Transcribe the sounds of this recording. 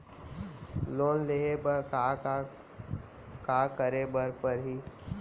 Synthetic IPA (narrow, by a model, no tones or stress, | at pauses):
loːnleɦebəka | kaːkəɾebəɾpəɾɦiː